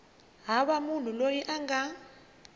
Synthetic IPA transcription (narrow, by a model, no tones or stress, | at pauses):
ɦaɓamun̤ulojiʔaŋɡa